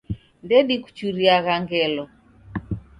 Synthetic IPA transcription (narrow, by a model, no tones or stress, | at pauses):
ndɛɗiku̥t͡ʃuɾiaɣaŋɡɛlɔ